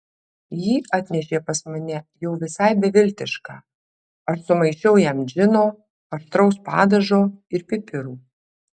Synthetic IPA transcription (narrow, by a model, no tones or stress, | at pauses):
jiːɐt̪ʲnʲɛʃʲeːpɐsmɐnʲɛjɛʊʋʲɪsɑɪbʲɛʋʲɪlʲt̪ʲɪʃkɑː | ɐʃsʊmɐɪt͡ʃʲɛʊjɛmd͡ʒʲɪnoː | pɐʃt̪ɾɒʊspɑ̰ːd̪ɐʒoːɪɾpʲɪpʲɪɾuː